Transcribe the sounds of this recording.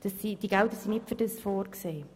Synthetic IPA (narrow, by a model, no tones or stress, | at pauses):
d̥əsːid̥iɡ̥ald̪əsinɪpfədəsfoːɾkseː